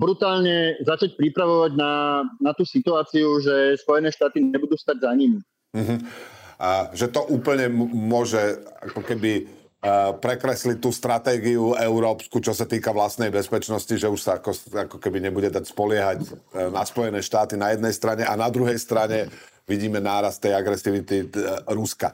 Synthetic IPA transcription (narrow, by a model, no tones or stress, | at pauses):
bɾut̪aːlɲɛzat͡ʃac̚pɾipɾaʋɔʋaɟnanat̪uːsit̪uaːt͡siuʒɛspɔjɛnɛːʃt̪aːt̪iɲɛbud̪uːst̪aɟzaɲim̩ | ɦ̩ | ʒɛt̪ɔʔuːpl̩ɲɛmʊɔʒɛa̰kɔkɛbi | pɾɛkɾɛslit̪uːst̪ɾat̪ɛːɡiuɛʊɾɔːpskut͡ʃɔsat̪iːkaʋlast̪nɛjbɛspɛt͡ʃnɔsciʒɛuʃsaakɔsakɔkɛbiɲɛbuɟɛd̪acspɔlɪɛɦaɟnaspɔjɛnɛːʃt̪aːt̪inajɛd̪nɛjst̪ɾaɲɛʔanad̪ɾuɦɛjst̪ɾaɲɛ | ʋiɟiːmɛnaːɾast̪ːɛjaɡɾɛsiʋit̪iɾuska̰